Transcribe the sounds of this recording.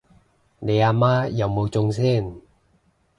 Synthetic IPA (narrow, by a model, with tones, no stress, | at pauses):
ne˨˧jaː˧maː˥jɐ˨˧wmo˨˧wt͡sʊ˧ŋsɛː˥˨n